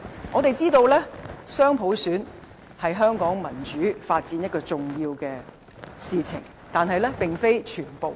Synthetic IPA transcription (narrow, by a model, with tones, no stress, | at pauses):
ŋɔː˨˧t̪e˨jt͡siː˥t̪o˧wlɛː˥sœː˥ŋpʰo˨˥wsyː˨˥n | hɐ˨jɦœː˥ŋkɔː˨˥ŋmɐ˨˩nt͡ʃyː˨˥faː˧t̚t͡siː˨˧˥njɐ˥t̚kɔː˧t͡sʊ˨ŋjiː˧wkɛː˧ | siː˨˧t͡sʰɪ̰˨˩ŋ | t̪aː˨nɦɐ˨jlɛː˥pɪ˨ŋfe˥jt͡ʃʰyː˨˩npo˨w